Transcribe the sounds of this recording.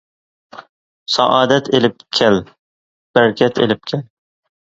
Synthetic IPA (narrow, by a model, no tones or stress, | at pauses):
sɑ̰ʔɑːd̪ɛt̪ʰelɪpkʲʰɛl | b̥æɾkʲʰɛt̪ʰḛlɪp̚kʲʰɛl